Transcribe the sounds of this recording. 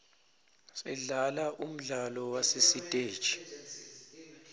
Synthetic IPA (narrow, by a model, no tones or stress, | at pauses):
sɛɮalaʔum̩ɮalɔwasesitʼe̥ːt͡ʃʰʼi̥